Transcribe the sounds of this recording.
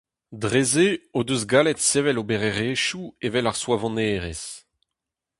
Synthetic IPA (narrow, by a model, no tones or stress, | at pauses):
dʁezeodøzɡaːlɛt̪seːvɛlobeʁeʁeːʃuevɛlaʁswavɑ̃neːʁes